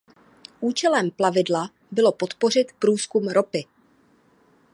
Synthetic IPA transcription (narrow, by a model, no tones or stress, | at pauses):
ʔuːt͡ʃɛlɛmplavɪdla | bɪlo̞pot̪po̞r̝ɪt̪pɾuːskumɾopɪ